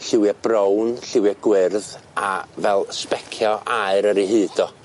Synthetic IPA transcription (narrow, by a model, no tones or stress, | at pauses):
ɬɪwjɛb̥rownɬɪwjɛɡ̥wɪrðavɛlˠspɛkʰjɔʔaɨɾəɾiɦɨːd̥ɔ